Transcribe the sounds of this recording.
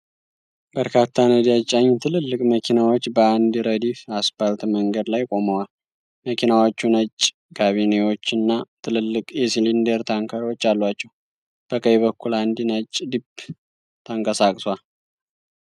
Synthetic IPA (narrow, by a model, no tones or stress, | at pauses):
bəɾkʰat̪ʰːanəd̪jat͡ʃʼːaɲːt̪ʰɨlɨlːɨkʼməkʰinawo̞t͡ʃːbəand̪iɾəd̪ifasbalt̪məŋɡəd̪lajkʼo̞məwal | məkʰinawo̞t͡ʃːunət͡ʃʼː | kʰaβine̞wo̞t͡ʃːɨnːat̪ʰɨlɨlːɨkʼjɛsilind̪eɾt̪ʰaŋkʰaɾiwo̞t͡ʃːalːwat͡ʃːɛw | b̥əkʼəjβəkʰːuland̪inət͡ʃʼːd̪ib | t̪ʰəŋkʼəsakʼswal